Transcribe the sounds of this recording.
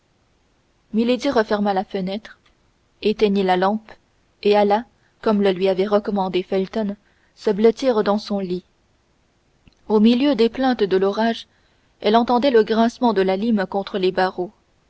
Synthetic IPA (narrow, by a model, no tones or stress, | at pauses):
miled̪iʁəfɛʁmalafənɛt̪χ | et̪ɛɲelalɑ̃p | eala | kɔmləlɥiavɛʁəkɔmɑ̃d̪efɛlt̪ɔn | səblət̪iːʁd̪ɑ̃sɔ̃li | omiljød̪eplɛ̃t̪d̪əlɔʁaʒ | ɛlɑ̃t̪ɑ̃d̪ɛləɡʁɛ̃smɑ̃d̪əlalimkɔ̃t̪χəlebaʁo